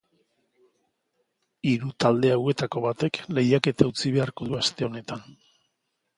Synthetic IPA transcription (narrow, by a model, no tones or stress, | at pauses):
iɾut̪ald̪e̞awe̞t̪ako̞βat̪e̞kle̞jake̞t̪aut͡siβ̞e̞aɾko̞ðuast̪e̞o̞ne̞t̪an